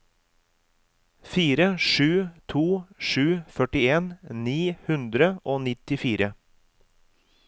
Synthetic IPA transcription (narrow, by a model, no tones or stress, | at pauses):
fiːɾəʃʉːt̪ʰuːʃʉːfœʈɪeːnniːhʉnd̪ɾəʔoːnɪt̪ɪfiːɾə